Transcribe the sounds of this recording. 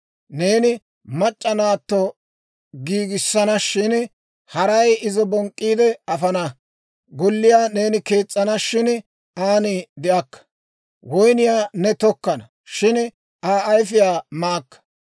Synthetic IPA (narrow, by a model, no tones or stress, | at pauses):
ne̞ːnɪ | mɐt͡ʃʼːɐnaːt̪ːɔ | ɡiːɡɪsːɐnɐʃɪn | hɐɾɐjɪzɔbɔŋkʼːiːd̪ɛɐfɐnɐ | ɡɔlːɪjaːne̞ːnɪke̞ːt͡sʼːɐnɐʃɪn | aːnɪd̪ɪʔɐkːɐ̥ | wɔjnɪjaːnɛt̪ɔkːɐnɐ | ʃɪn | ʔaːjfɪjaːmaːkːɐ̥